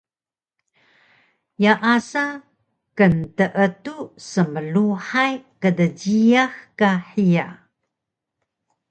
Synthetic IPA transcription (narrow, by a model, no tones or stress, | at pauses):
jaʔasa | kəntəʔətusəməluħajkədəɟiaxkaħija